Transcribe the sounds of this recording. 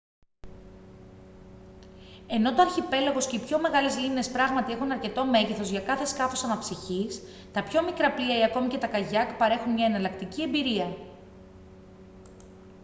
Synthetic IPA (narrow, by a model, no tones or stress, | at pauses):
e̞no̞t̪oɐɾçipe̞loɣo̞sce̞ipço̞me̞ɣɐlezlimne̞spɾɐɣmɐt̪ie̞xunɐɾce̞t̪o̞me̞ʝeθo̞zʝɐkɐθe̞skɐfo̞sɐnɐpsiçis | t̪ɐpço̞mikɾɐpliɐiɐko̞mice̞t̪ɐkɐʝɐkpɐɾe̞xunmɲɐenɐlɐkt̪iciembiɾiɐ